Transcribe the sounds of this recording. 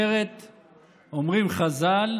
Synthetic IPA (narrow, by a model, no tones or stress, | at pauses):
eʁet̪ | omʁimχazal